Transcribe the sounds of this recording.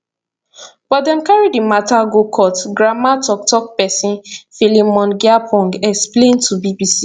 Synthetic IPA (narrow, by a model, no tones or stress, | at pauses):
b̥ɔdɛ̃mkaɹidimataɡokʰɔtɡɹamatɔk̚tɔk̚pɛsĩnfilimɔ̃nɡɛapʰɔ̃ŋɡɛksplẽntʰubibisi